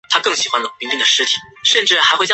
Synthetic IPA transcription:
t̪ʰa˥kɤ˥˩ŋɕi˨˩xwa˦˥nlpi˧˥ŋli˥˩ŋd̪ə˩ʂɻ̩˥t̪ʰi̥˨˩˦ʂə˥˧nʈ͡ʂɻ̩˥˩xa˧˥ɪxw

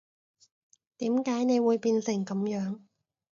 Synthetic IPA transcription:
t̪iː˨˥mkaː˨˥jne˨˧jwuː˨˧jpiː˧nsɪ˨˩ŋkɐ˨˥mjœː˨˥ŋ

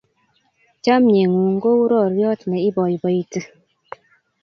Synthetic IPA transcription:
t͡ʃa˦mɲe˨ŋu˨ŋ̩˦ɡo˦u˦ɾɔ˦˨ɾjɔ˦tnɛ˨i˦bɔ˨ji˨bə˨i˨tɨ˦

